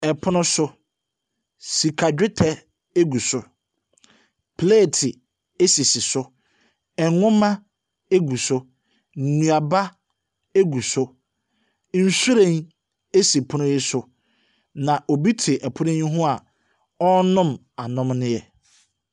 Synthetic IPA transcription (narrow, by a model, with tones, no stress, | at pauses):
ɛ˨pʰʊ˦nʊ̃˦sʊ˦ | si˨kʰa˨d͡ʑᶣɪ˦tʰɛ˨ | e˦ɡu˨sʊ˦ | pʰle˦˨tʰɪ˨ | e˦si˨sɪ˨sʊ˦ | ɛ˨˦ʊ̃˦mã˦ | e˦ɡu˨sʊ˦ | n̩˨nũ˨a˨ba˦ | e˦ɡu˨sʊ˦ | n̩˨su˦ɾẽ˦n | e˦si˨pʰʊ˦nʊ̃˦jɪ˦sʊ˨ | nã˨ʔɔ˨bi˦tʰɪ˨ʔɛ˨pʰʊ˦nɪ̃˦ɲʊ̃˦ɦʊ̃˦a˨ | ɔ˦nʊ̃˦m | a˨nʊ̃˦mnɪ̃˦jɛ˨